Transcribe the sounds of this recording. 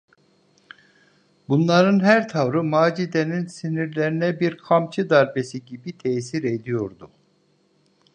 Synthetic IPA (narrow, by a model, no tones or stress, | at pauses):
bunlˠaɾɯnɦæɾt̪ʰavɾɯmaːd͡ʒid̪eninsiniɾlʲeɾinɛbiɾkʰamt͡ʃʰɯd̪aɾbesiɟibit̪ʰɛsiɾed̪ijo̞ɾd̪u